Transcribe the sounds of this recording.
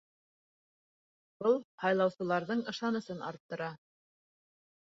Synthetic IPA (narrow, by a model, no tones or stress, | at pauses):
b̥ɤlˠhɑjlˠɑwsɤ̆lˠɑɾðɤɴɤ̆ʃɑnɤ̆sɤnɑ̰ɾt̪ːɤ̆ɾɑ